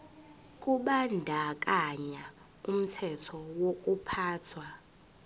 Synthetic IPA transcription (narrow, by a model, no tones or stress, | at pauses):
kʼuɓandʱak̬ʼaɲa | um̩tʰɛtʰɔwokʼupʰaːtʰwa